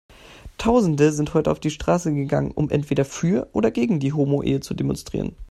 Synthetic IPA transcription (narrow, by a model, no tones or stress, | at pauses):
tʰaʊzn̩dəzɪnthɔʏtəa̰ʊfd̥iːʃtʁ̥aːsəɡəɡa̰ŋənʔʊ̰mʔɛ̰ntv̥eːɾɐfyːɐʔo̰ːdɐɡeːɡŋ̩diːɦoːmoʔḛːət͡sudemɔ̰nstʁ̥ḭːʁə̰n